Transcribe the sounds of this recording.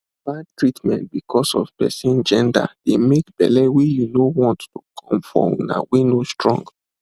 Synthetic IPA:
bad̚tɹitmɛ̃nt̚bikʰɔsɔ̰vpɛ̰sĩnd͡ʒɛ̃nda̰d̥emekb̥ɛ̰lɛwijunowɔ̃nttukʰɔ̃mfɹɔ̰̃mna̰winostɹɔ̃ŋɡ

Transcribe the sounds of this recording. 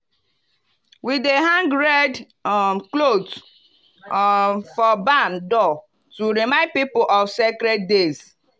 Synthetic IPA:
wideɦãŋɡɾɛd | klod | fɔbãndɔ | tuɾimãɪ̃nd̚pipoʔɔvsekɾɛt̚dez

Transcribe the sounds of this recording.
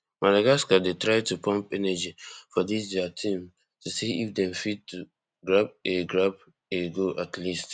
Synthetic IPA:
malaɡaskadetɹaɪtupʰɔ̃mpɛnad͡ʒifɔdisdɛatʰĩm | tʰusiifdɛ̃mfittu | ɡɹab̚eɡɹab | eɡoʔatʰlist

